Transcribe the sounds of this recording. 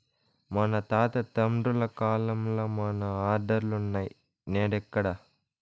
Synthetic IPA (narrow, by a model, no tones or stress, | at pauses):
mɐnɐt̪aːt̪ɐt̪ɐmɖulɐkaːlɐmloːmɐnɐaːd̪ɐɾulunːaːji | neːɽɛkːɐɽɐ